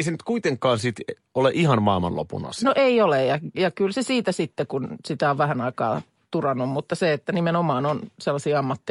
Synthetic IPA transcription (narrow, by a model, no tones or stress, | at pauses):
isenyt̪kuit̪eŋkːˑɑːnsit̪ | oleʔihɑnmɑilmɑ̰nlo̰pṵnɑ̰snoʔeiolejjɑjɑkylsesiːt̪æsit̪ːekunsit̪æoʋʋæhænɑikɑ̰ː | t̪urɑnːˑummut̪ːɑseet̪ːænimenomɑːnonselːɑsiːɑmːɑt̪ːi